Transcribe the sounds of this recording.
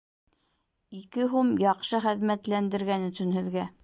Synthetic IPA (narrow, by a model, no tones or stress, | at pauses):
ikɘɦumjɑqʃɤχɘ̆ðmæt̪lænd̪ɘ̆ɾɡænɵ̆sɵ̆nɦɵ̆ðɡæ